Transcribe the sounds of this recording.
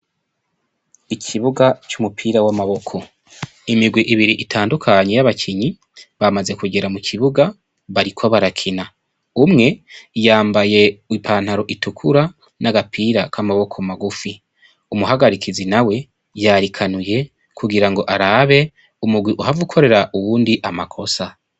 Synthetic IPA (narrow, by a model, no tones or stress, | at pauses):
icʰiβuɡat͡ʃumupʰiːɾawamaβo̞kʰo̞ | imiɡwiʔiβiɾiʔitʰaːndukʰaɲe̞jaβacʰiɲi | βamaze̞kuɡe̞ɾamucʰiβuɡa | βaɾikʰo̞βaɾakʰina | umŋe̞jaːmbaje̞ipʰaːn̥haɾo̞ʔitukʰuɾa | naɡapʰiːɾakʰamaβo̞kʰo̞maɡufi | umuɦaɡaɾikʰizinawe̞ | jaɾikʰanuje̞ | kʰuɡiɾaŋɡo̞ʔaɾaβe̞ | umuɡwiʔuhavukʰo̞ɾe̞ɾaʔuwuːndiʔamakʰo̞sa